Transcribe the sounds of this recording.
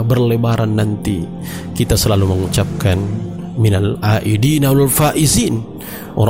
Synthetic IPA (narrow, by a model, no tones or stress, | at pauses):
bərlebaɾanːant̪i | kit̪asəlaluməŋut͡ʃap̚kan | minalaʔidinawalfaʔizin | ʔo̰ɾ